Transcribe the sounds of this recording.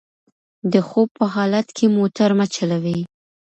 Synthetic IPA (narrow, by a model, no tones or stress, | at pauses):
d̪əxob̚pəɦɑlat̪kʰemot̪aɾmat͡ʃalawi